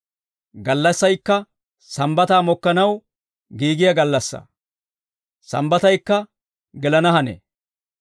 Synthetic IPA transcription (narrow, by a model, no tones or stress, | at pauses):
ɡɐlːɐsːɐjkːɐ | sɐmbɐt̪aːmɔkːɐnɐw | ɡiːɡɪjɐɡɐlːɐsːɐ̰ | sɐ̰mbɐt̪ɐjkːɐ | ɡɛlɐnɐɦɐnḛː